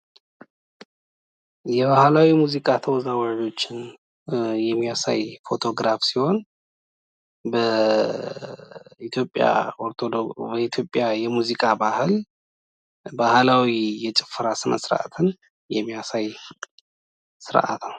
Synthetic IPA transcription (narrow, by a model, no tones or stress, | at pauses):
jɛβahlawimuzikʼat̪ʰəwɔzawad͡ʒo̞t͡ʃːɪn | jɛmːijasa̰jfo̞t̪ʰo̞ɡɾafsiho̞n | bə | it̪ʰjo̞pʼːja̰oɾt̪ʰod̪obəit̪ʰjo̞pʼjajɛmuzikʼabahɨl | bahlawijɛt͡ʃʼɪfːɨɾasɨnə̰sɨɾʔa̰t̪ʰɨn | jɛmːijasaj | sɨɾʔa̰t̪naw